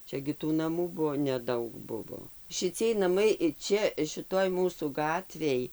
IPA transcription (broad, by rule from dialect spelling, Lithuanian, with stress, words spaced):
ˈt͡ʃʲɛ ɡʲɪ tuː nɐˈmuː ˈbʊʋoː nʲɛˈdɐʊk ˈbʊʋoː ʃʲɪˈt͡sʲiɛj nɐˈmɐɪ ˈt͡ʃʲɛ ʃʲɪˈtoːj ˈmuːsuː ˈɡɑːtʲʋʲeːj